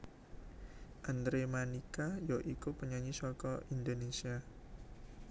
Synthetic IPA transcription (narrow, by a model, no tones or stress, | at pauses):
ʔand̪ɾemanikajɔʔikupəɲaɲisɔkɔindonesia